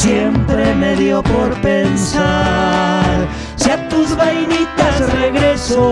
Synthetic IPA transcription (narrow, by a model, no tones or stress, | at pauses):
sjempɾemeðjopoɾpensa | ɾ | sat̪uzβajnit̪asreɣɾeso